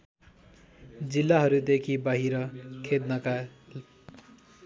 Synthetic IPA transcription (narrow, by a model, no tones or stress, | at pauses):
d͡zilːaɦʌɾud̪ekʰibʌɦiɾʌkʰed̪nʌka